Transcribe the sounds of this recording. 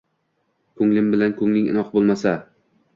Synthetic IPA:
kʰɵŋlɪmbɪlankʰɵŋlɪŋɪ̰nɒqbolˠmasa

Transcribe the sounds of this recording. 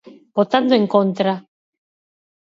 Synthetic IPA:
bot̪and̪ueŋkont̪ɾa

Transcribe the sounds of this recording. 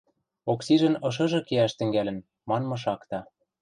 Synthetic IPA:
oksiʒə̆nɤ̆ʃ̬ɤ̆ʒɤ̆keæʃt̪ɘ̆ŋɡælɘ̆n | mɑnmɤ̆ʃ̬ɑkt̪ɑ

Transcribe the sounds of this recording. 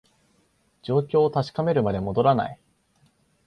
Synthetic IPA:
d͡ʑo̞ːkʲo̞ːt̪aɕi̥kame̞ɾɯ̟mad̪e̞mo̞d̪o̞ɾana̰i

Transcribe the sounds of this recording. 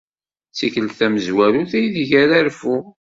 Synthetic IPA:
t͡sːikəlθæməzwæɾuθæjiðʝæɾæɾfu

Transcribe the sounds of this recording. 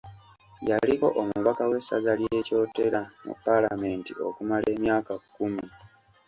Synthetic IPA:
jaliko̞̰ʔomuβakawe̞sːa̰zaljee̞ːco̞ːteɾamṵpːala̰me̞ːntio̞̰kumale̞ːmjaːkakːumi

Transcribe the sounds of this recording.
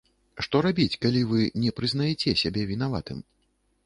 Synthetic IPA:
ʂt̪ɔɾabʲit͡sʲkalʲivɨnʲɛpɾɨznajɛt͡sʲɛsʲabʲɛvʲinava̰t̪ɨm

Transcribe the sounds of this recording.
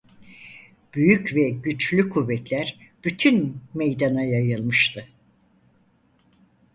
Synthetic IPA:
b̥yjycvɛɟyt͡ʃlʲykʰuvːɛt̪lʲæɾb̥yt̪ʰynmejd̪anajajɯlˠmɯʃt̪ʰɯ

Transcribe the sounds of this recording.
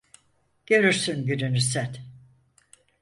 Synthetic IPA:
ɟ̥ø̞ɾyɾsynɟynynysɛt̪

